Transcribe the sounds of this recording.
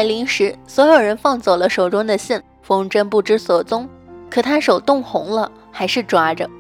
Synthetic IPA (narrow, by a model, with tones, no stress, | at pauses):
a˥˩ɪli˧˥ŋʂɻ̩˧˥swɔ˧˥jo˨˩ʊɻə˧˥nfɑ˥˧ŋt͡sɔ˨˩lə˦ʂo˨˩ʊʈ͡ʂʊ˥ŋd̪ə˨ɕi˥˩n | fʊ˥ŋʈ͡ʂə˥npu˥˩ʈ͡ʂɻ̩˥swɔ˨˩t͡sʊ˥ŋ | kʰɤ˨˩t̪ʰa˥ʂo˨˩ʊt̪ʊ˥˩ŋxʊ˧˥ŋlə˧ | xa˧˥ɪʂɻ̩˥˩ʈ͡ʂwa˥ʈ͡ʂə˧